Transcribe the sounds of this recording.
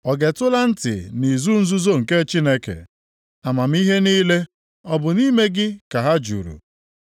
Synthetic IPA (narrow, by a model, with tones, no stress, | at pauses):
ɔ˨ɡe˨tʊ˦la˦n̩˦tɪ̰˨ni˨zu˦n̩˦zu˦zo˦ŋ̩˨ke˦t͡ʃi˦ne˦kḛ˨ | a˨ma˨m̩˦i˦ɦe˦niː˦le˦ | ɔ˦bʊ˨ni˦me˦ɡɪ˦ka˨ɦa˦d͡ʒṵ˨ɾṵ˨